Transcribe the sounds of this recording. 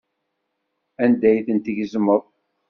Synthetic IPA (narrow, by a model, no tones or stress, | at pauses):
ænd̪æjθənt̪iʝzməðˤ